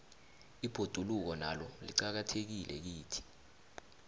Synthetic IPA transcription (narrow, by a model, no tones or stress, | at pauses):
ib̥ʱod̥ʱuluk̬ɔnalɔlḭǃak̬atʰek̬ilʔɛk̬iːtʰi̥